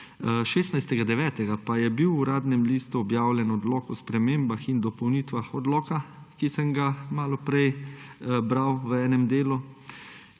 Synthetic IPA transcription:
ʃeːsnajst̪ɛɡad̪ɛʋɛːt̪ɛɡapajɛbiwuɾaːd̪nɛmliːst̪uɔbjaːwlʲɛnɔd̪lɔːkɔspɾɛmeːmbaxind̪ɔpɔwnit̪ʋaxɔd̪lɔːka | kisəmɡamaːlɔpɾɛj | bɾawʋəɛːnɛmd̪eːlu

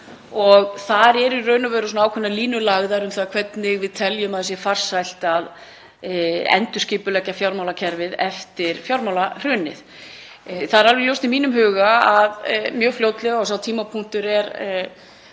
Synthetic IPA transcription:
ɔɣθaɾɛɾirœːɥnʏvœːɾʏs̬ɔnaːwkʰɛnaliːnʏlaɣðaɾʏmθaːðkʰv̥ɛt̪nɪɣvɪðt̪ʰɛljʏmaðʏsjɛfar̥sajl̥t̪að | ɛ̰nt̪ʏscɪːpʏlɛcːafjawɾmawlacʰɛɾvɪðɛft̪ɪɾ̥fjawɾmawlar̥ʏnɪ̰θ | θaðɛɾalvɛɣljowst̪imiːnʏmɦʏːɣaaðmjœːɣfljowt̪lɛɣaɔsawt̪ʰiːmapʰuŋ̥t̪ʏɾɛɾ

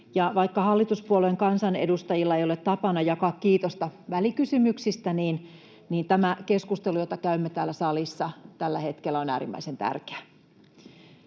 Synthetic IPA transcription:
jɑʋɑikːɑhɑlːit̪uspuolueŋkɑnsɑnedust̪ɑjilːɑejolet̪t̪ːɑpɑnɑjɑkɑkkiːt̪ost̪ɑʋælikysymyksist̪æniːn | niːnt̪æmækeskust̪elujot̪ɑkæymːet̪æːlːæsɑlisːɑt̪ælːæhet̪kelːæonæ̰ːɾimːæ̰isent̪æ̰rke̥æ

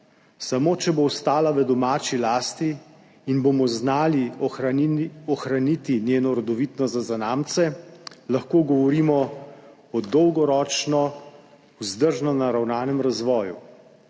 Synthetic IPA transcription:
samoːt͡ʃɛboɔst̪aːlaʋəd̪ɔmaːt͡ʃilaːst̪iː | nbomɔznaːli | ɔxɾanit̪injeːnɔɾɔd̪ɔʋit̪nɔzazanaːmt̪sɛlaxkoːɡɔʋɔɾiːmɔ | ɔd̪ɔwɡɔɾɔːt͡ʃnɔ | uzd̪əɾʒnɔnaɾawnaːnɛmɾazʋɔːjṵ

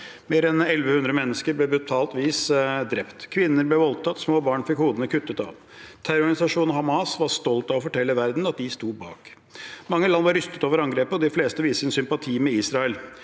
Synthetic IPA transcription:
meːɾɛnɛlʋəhʉnd̪ɾəmɛnːəskəɾblɛbɾʉt̪ʰɑːlt̪ʋiːsd̪ɾɛpt̪kʰʋɪnːəɾblɛʋɔlt̪ʰɑt̪ːsmoːbɑːɳfɪkhuːd̪ənəkʰʉt̪ːət̪ɑ̰ʋ | t̪ʰæɾʊɾɡɑnɪsɑʂuːnhɑmɑːsʋɑɾst̪ɔlt̪ɑʋɔfɔʈʰɛlːəʋæɾd̪n̩ɑt̪̚d̪ɪst̪uːbɑ̰ːk | mɑŋːəlɑnːʋɑɾʏst̪ə̥t̪oːʋəɾɑŋɡɾeːpəɔd̪ɪfleːst̪əʋiːsəɾɛnsʏmpɑt̪ʰiːmɛiːsɾɑɛl

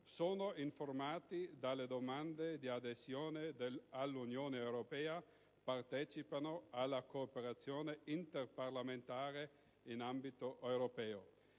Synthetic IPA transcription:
soːnoiɱformaːt̪id̪alːed̪omand̪ed̪iad̪ezjoːned̪ealːunjoːneːwɾopɛːa | part̪ɛːt͡ʃipanoalːakoːpeɾat̪sjoːneint̪erparlament̪aːɾe | inambit̪oʔewɾopɛːo

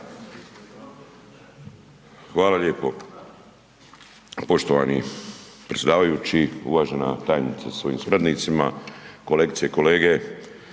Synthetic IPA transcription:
xʋaːlaleːpo̞ | po̞ʃt̪oʋaːnḭpɾesʲed̪aːʋajut͡ɕiṵʋaːʒena̰t̪aːjnit̪sasʋo̞jḭːmsuɾad̪niːt̪sima̰koleɡt̪sijeko̞le̞ːɡe

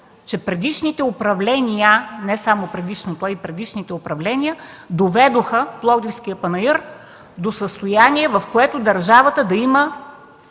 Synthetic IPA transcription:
t͡ʃɛpɾɛd̪iʃnit̪ɛopɾɐvlɛnʲijənɛsamopɾɛd̪iʃnot̪oɐipɾɛd̪iʃnit̪ɛopɾɐvlɛnʲiə | d̪ovɛd̪oxəplˠɔd̪ifskijəpɐnɐiɾ | d̪osəst̪ojaniɛvɐfkoɛt̪od̪ɐɾʒavət̪əd̪ɐimə

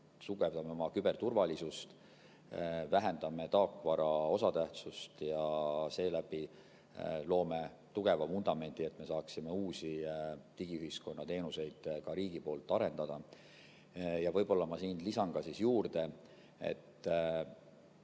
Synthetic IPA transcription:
suɡ̥e̞vd̪ɑmeo̞mɑkybe̞rt̪urvɑlisust̪ | væɦend̪̥ɑme̞t̪ɑːkːˑvɑɾɑo̞sɑt̪æht̪sust̪jɑse̞ːlæb̥i | lo̞ːme̞ | t̪uɡ̥e̞vɑmund̪ɑme̞nd̪̥ie̞t̪ːˑme̞sɑːksime̞uːsit̪iɡ̥iyɦisko̞nːɑt̪e̞ːnuse̞jd̪̥kɑɾiːɡ̥ipo̞ːlt̪ːˑɑɾe̞nd̪̥ɑd̪̥ɑ | jɑvɤjb̥o̞lːɑmɑsiːnlisɑnɡ̥ɑsisjuːrd̪e̞ | e̞̰t̪ː

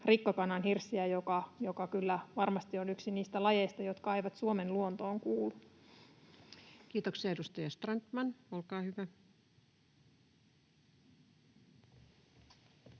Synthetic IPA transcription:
rikːɑkɑnːɑnhirsːiæjokɑjo̞kɑkylːæʋɑrmɑst̪ionyksiniːst̪ælɑjejst̪ɑjo̞t̪kɑejʋɑt̪suomenluont̪o̞ːŋkuːlːu | kiːt̪oksiɑedust̪ɑjɑst̪rɑnt̪mɑnolkɑːhyʋæ

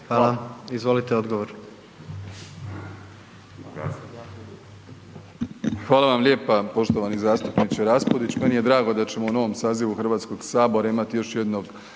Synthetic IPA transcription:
ʋaːlaizʋo̞lit̪eod̪ɡoʋoɾ | xʋaːlˠaʋamʎʲe̞ːpapo̞ʃt̪o̞ʋanizaːst̪upnit͡ɕeɾaspod̪it͡ɕmenije̞d̪ɾaːɡo̞d̪at͡ɕe̞mouno̞ʋo̞msaːziʋuxrʋaːt̪sko̞ɡ̥saːbo̞ɾaimat̪ijo̞ʃje̞d̪no̞ɡ

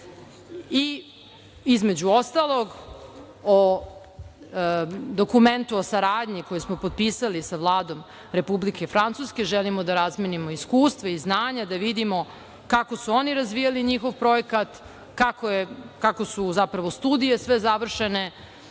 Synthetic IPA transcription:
i | izme̞d͡ʑuo̞st̪alo̞ɡ | o | d̪o̞kume̞nt̪uosaɾaːd̪ɲikojesmo̞po̞d̪̚piːsalisaʋlˠaːd̪o̞m | ɾe̞publike̞fɾant̪suske̞ʒelimod̪aɾazmenimo̞iskuːst̪ʋaiznaːɲad̪aʋid̪imo̞ | kako̞suo̞niɾazʋijaliɲixo̞ʋpɾo̞jekat̪ | kakojekako̞suzapɾaʋo̞st̪uːd̪ije̞sʋe̞zaʋr̩ʃene̞

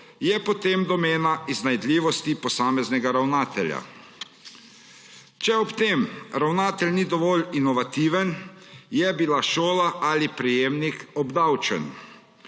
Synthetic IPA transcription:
jɛpɔt̪emd̪ɔmeːnaiznajd̪lʲiːʋɔst̪ipɔsaːmɛznɛɡaɾawnaːt̪ɛlja̰ | t͡ʃɛɔpt̪emɾawnaːt̪ɛlʲnid̪ɔʋɔlinɔʋat̪iːʋənjɛbilaʃoːlaʔalipɾɛjeːmnikɔbd̪awt͡ʃə̰n

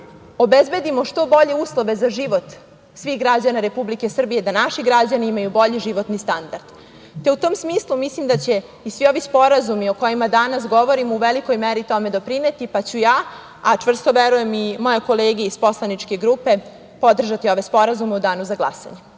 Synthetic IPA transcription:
obezbe̞d̪imo̞ʃt̪o̞bo̞ʎe̞uːslˠo̞ʋe̞zaʒiʋo̞t̪ | sʋiːxɡɾad͡ʑanaɾe̞publike̞sr̩bije̞d̪anaʃiɡɾad͡ʑaniimajubo̞ʎiʒiʋo̞t̪nist̪and̪aɾd̪̥ | t̪e̞ut̪o̞ːmsmiːslˠumislimd̪at͡ɕe̞ | isʋio̞ʋispo̞ɾazumio̞ko̞jimad̪anas̬ɡo̞ʋo̞ɾimuʋeliko̞jmeɾit̪o̞me̞d̪o̞pɾine̞t̪ipat͡ɕujaː | at͡ʂʋr̩st̪o̞ʋeɾuje̞mimo̞jeko̞leːɡieispo̞slˠanit͡ʃke̞ɡɾuːpe̞ | po̞d̪r̩ʒat̪io̞ʋe̞spo̞ɾazumeud̪aːnuzaɡlˠa̰sa̰ɲe

